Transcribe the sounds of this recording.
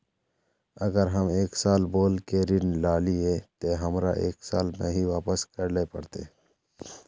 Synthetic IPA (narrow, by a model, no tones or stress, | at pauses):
əɡəɾɦəmeːksaːlboːlkeɾɪnlaːliet̪eɦəmɾa̰ʔeːksaːlmẽɦiʋaːpəskəɾlepəɽt̪ḛ